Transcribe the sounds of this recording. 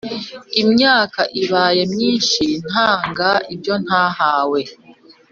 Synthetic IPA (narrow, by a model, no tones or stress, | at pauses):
imɲaːkaʔiβaːje̞mɲiːnʃin̥haːŋɡaibjo̞n̥haːhaːwe̞